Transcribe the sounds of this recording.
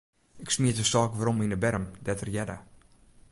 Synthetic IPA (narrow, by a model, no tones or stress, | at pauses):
ɪksmiətəsɔːkʋaɾɔminəbɛrəmdɛtərjɛda̰